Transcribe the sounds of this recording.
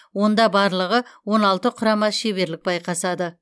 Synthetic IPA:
wo̞nd̪ɑbɑɾlˠəʁəwo̞nɑlˠt̪əqʰʊɾɑmɑʃeβe̞ɾlɪk̚bɑjqʰɑsɑd̪ə

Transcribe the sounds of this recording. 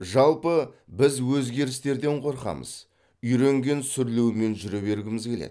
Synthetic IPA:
ʒɑlˠpəbɪzwɵzɡʲe̞ɾɪst̪e̞ɾd̪e̞ɴqʰo̞ɾqɑ̰mə̰z̥ | ʏjɾe̞ŋɡʲe̞nsʏɾlewɪme̞nʒʏɾe̞be̞ɾɡʲɪmɪzkʲʰe̞lḛd̪

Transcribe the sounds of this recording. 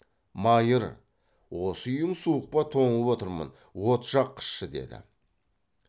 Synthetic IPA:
mɑjəɾ | wo̞səʏjəɴsuəq̚pɑt̪ʰo̞ɴəpwo̞t̪əɾmə̰n | wo̞t̪ʒɑqʰːə̥ʃʃəd̪e̞̰d̪ɪ̰

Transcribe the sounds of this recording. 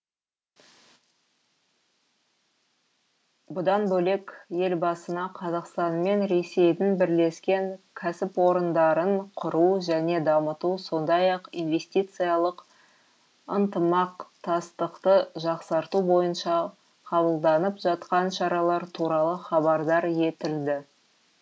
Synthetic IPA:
bʊd̪ɑnbɵle̞kje̞lbɑsənɑqʰɑzɑqst̪ɑnme̞nɾe̞se̞jd̪ɪnbɪɾle̞skʲe̞ŋkʲʰæsɪpwo̞ɾənd̪ɑɾəɴqʰʊɾuʒæne̞d̪ɑmət̪uso̞nd̪ɑjɑqinve̞st̪ijt̪sɨjɑlˠəq | ənt̪əmɑqt̪ʰɑst̪əqt̪əʒɑqsɑɾt̪ubo̞jənʃɑ | qʰɑβəlˠd̪ɑnəpʒɑt̪qɑnʃɑɾɑlˠɑɾt̪ʰuɾɑlˠəχɑbɑɾd̪ɑɾje̞t̪ɪld̪ɪ

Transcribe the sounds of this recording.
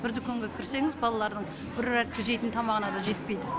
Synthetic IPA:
b̥ɪɾd̪ɪkʲʰɵŋɡʲe̞kʲʰɪɾse̞ŋɪzbɑlˠɑlˠɑɾd̪əɴ | bɪɾɾæk̪ʲʰɪʒe̞jt̪ɪnt̪ʰɑmɑʁənɑd̪ɑʒe̞t̪̚pe̞jd̪ɪ

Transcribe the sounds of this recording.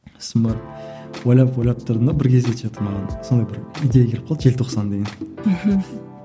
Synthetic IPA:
smɑɾt̪ | wojlˠɑpwojlˠɑp̚t̪ʰʊɾd̪ənd̪abɪɾkʲʰe̞zd̪et̪ʒɑt̪əɾmɑʁɑnso̞nd̪ɑjbɪɾijd̪ejekʰʲe̞lɪp̚qʰɑld̪əʒe̞lt̪ʰo̞qsɑnd̪eɡʲen̩ɦ̩

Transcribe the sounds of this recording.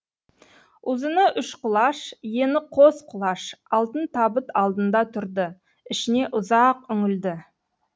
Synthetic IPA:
ʊzənəʔʏʃqʊlˠɑʃje̞nɪqʰosqʰʊlˠɑʃɑlˠt̪ənt̪ʰɑbət̪ɑlˠd̪ənd̪ɑt̪ʰʊɾd̪ə | ɪʃɪne̞ʔʊzɑqʏŋɪld̪ɪ

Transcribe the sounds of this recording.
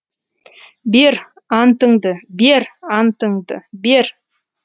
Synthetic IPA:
beɾ | ɑnt̪əɴd̪əbeɾɑnt̪əɴd̪ə̰beɾ

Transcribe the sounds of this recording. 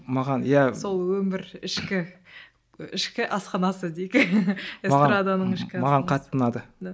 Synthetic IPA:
mɑʁɑnjæso̞lˠwɵmɪɾɪʃkʲɪ | ɪʃkʲɪʔɑsqɑnɑsəd̪ejkʲesmʁɾad̪anəɴɪʃkʲɪmɑʁɑɴqʰɑt̪ːənɑd̪ə

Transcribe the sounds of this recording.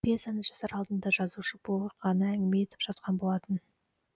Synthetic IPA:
pezɑnəʒ̥osɑɾɑlˠd̪ənd̪ɑʒɑzuʃəbolˠəpqɑnɑæŋɡʲɪme̞e̞t̪ɪpʒ̥ɑt̪qɑnbo̞lˠɑt̪ən

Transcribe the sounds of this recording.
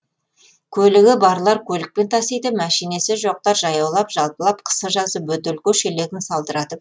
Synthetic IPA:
kʲʰɵlɪɡʲɪbɑɾlˠɑɾkʲʰɵlɪk̚pe̞nt̪ʰɑsejd̪əmæʃijne̞sɪʒo̞q̚t̪ɑɾʒɑjɑwlˠɑpʒ̥ɑlˠpəlˠɑp̚qʰə̥səʒɑzəpwɵt̪elkʲeʃele̞ɡʲɪnsɑlˠd̪əɾɑd̪ə

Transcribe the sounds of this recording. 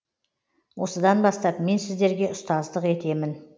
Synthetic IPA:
wʔo̞səd̪ɑnbɑst̪ɑpme̞nsɪzd̪e̞ɾɡʲe̞ʊst̪ɑzd̪əqe̞t̪e̞mɪn

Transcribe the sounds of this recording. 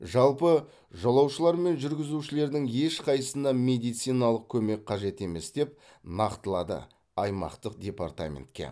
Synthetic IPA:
ʒɑlˠpə | ʒɑlˠɑwʃəlˠɑɾme̞nʒʏɾɡʲɪzuʃɪle̞ɾd̪ɪŋje̞ʃqʰɑjəsənd̪ɑmʲe̞d̪ijt̪sijnɑlˠəq̚kʲʰɵme̞k̚ʲqʰɑʒe̞t̪e̞me̞sd̪̥e̞p̚ | nɑqt̪əlˠɑd̪ə̰ | ɑjmɑ̰qt̪əq̚d̪ʲe̞part̪a̰mʲḛnt̪̚kʲe̞̰

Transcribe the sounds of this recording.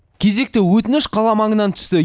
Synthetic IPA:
kʲʰe̞ze̞k̚t̪ɪwɵt̪ɪnɪʃqʰɑlˠɑmɑɴənɑnt̪ʰʏ̥st̪ɪ

